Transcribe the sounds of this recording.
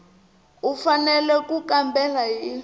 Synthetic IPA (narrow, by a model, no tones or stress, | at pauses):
ufanɛlɛkukambɛlaɦiː